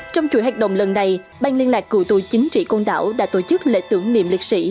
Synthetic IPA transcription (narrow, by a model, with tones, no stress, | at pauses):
t͡ɕɔ˧wŋ͡mt͡ɕu˧˦jɦa˨˩jk̚ɗə̰˧˨wŋ͡mlə˨˩nːa˨˩j | ɓaː˧ŋli˧ənlaː˨˩kːu˧˩t̪u˧˩t͡ɕï˨˦ŋ̟t͡ɕḭ˧˨ko˧nɗa̰ː˧˦wɗa̰ː˧˥t̪o˧˩t͡ɕɨ˦˥k̚lḛ˧˥t̪ɨ˨˦əŋnḭ˧˨mli˨˩k̚sḭ˧˥